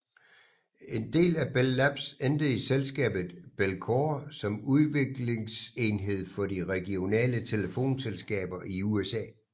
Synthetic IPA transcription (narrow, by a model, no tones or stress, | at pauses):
e̝nd̥e̝̰ːlæb̥elːæb̥send̥əiselsɡ̥ɛ̰ːb̥ð̩ˠb̥elkʰosɒ̽muðˠʋe̝ɡ̥le̝ŋse̝nɦe̝ð̞̰ˠfɒ̽diʁɛɡ̥io̝nɛ̰ːlət͡sʰe̝ləfo̝̰ːnselsɡ̥ɛ̰ːb̥ɐʔiuesɛ̰ː